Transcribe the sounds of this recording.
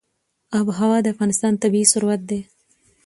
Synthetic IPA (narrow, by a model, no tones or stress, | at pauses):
abɦawɑd̪əafɣɑːnɪst̪ɑːnt̪abiːsʊɾwat̪̚d̪e